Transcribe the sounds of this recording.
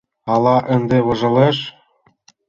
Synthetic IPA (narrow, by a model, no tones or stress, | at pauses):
ɑlɑʔɘ̆nd̪eβɤ̆ʒɤ̆leʃ